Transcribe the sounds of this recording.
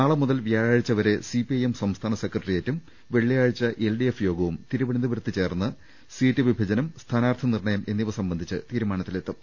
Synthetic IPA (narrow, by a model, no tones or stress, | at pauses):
naːɭɐmuðɐlʋijaːjaːɻit͡ɕːɐʋɐɾe̞sipiɐjemsɐmst̪ʰaːnɐsekrɐʈrijeːtːum | ʋe̞ɭːijaːɻit͡ɕːɐʔelɖijefjo̞ːɡɐʋumt̪iɾuʋɐɳnd̪ɐbɐɾut̪ːɨt͡ɕe̞ːrnːɐ | siːtːɨʋibʱɐd͡ʑɐnɐmst̪ʰaːnaːrt̪ʰɐnirɳɐjɐme̞nːiʋɐsɐmbɐnd̪ʱit͡ɕːɨ̰t̪iːɾumaːɳɐt̪ːilet̪ːɨm